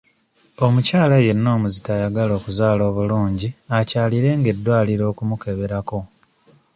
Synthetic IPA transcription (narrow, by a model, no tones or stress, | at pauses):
o̞mucaːlaje̞nnːo̞ːmuzitajaɡalo̞ːkuzaːlo̞ːβuluːɲɟiacaːliɾe̞ŋɡe̞dːwaːliɾo̞ːkumuke̞βe̞ɾako̞